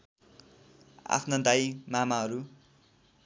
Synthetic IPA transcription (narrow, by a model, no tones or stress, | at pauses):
a̰pʰnʌd̪ajmamaɦʌɾu